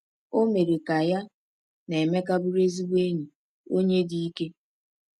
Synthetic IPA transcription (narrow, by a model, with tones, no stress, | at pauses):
o˦me˨ɾe˨ka˨ja˦ | ne˨me˦ka˦bʊ˦ɾe˦zi˦wʷe˦ɲi˨ | o˦ɲe˦di˨˦i˦ke˦